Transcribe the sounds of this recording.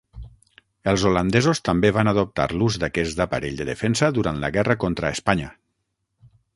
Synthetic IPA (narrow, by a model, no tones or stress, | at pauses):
əlˠzoland̪ɛzost̪ambeβanaðop̚t̪a̰ɾluzd̪akɛzd̪apa̰ɾeʎd̪əðḛfɛnsəðuɾant̪la̰ɣɛrəkont̪ɾaespaɲa